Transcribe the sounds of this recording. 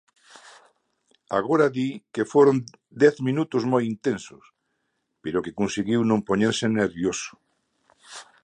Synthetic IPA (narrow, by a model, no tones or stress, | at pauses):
a̰ɣ̞oɾaðikefoɾon | d̪ɛθmĩnut̪ʊzmojint̪ensʊs | peɾokekunsiɣiwnõŋpoɲeɾseneɾβjosʊ̥